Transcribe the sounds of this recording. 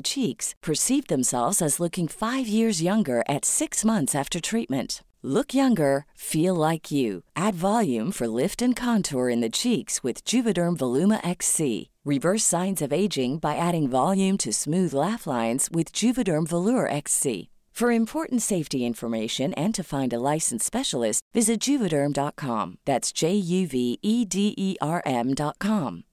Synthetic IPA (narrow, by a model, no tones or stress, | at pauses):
t͡ʃʰikspʰə˞sivðɨ̃msɛ̰lˠvzɨzlʊkɪ̃ŋfaɪvjɪɹzjʌ̃ŋɡə˞ʔɨtsɪksmʌ̃nθsæftə˞tʰɹ̥it̚mɨ̃nt | lʊkʰjʌ̃ŋɡə˞filˠlaɪkʰjʉʔædvɑlˠjʉ̃ɱfə˞lɪftɨ̃nkʰɑ̃ntʰɔɹɨ̃nðɨt͡ʃʰikswɨðd͡ʒʉvɨɾɜ̃˞ɱvəlʉmə̰ʔɛksḭ | ɹɨvɜ˞sãɪ̃nzʌveɪd͡ʒɪ̃ŋbaɪʔæɾɪ̃ŋvɑlˠjʉ̃mtʰɨsmʉðlæflãɪ̃nz̥wɪðd͡ʒʉvɨɾə̃˞ɱvəlʊɹʔɛksḭ | fə˞ɨ̃mpʰɔɹʔn̩tseɪftiɪ̃ɱfə˞meɪʃɨ̃nɨ̃ntʰɨfãɪ̃ndəlaɪsn̩spɛʃl̩ˠɪstvɪzɨt̚d̥ʒ̥ʉvɨɾɜ̃˞mdɑt̚kʰɑ̰̃mðætsd̥ʒ̥eɪjʉviidiʔiʔɑɹʔɛ̃mdɑt̚kʰɑ̃m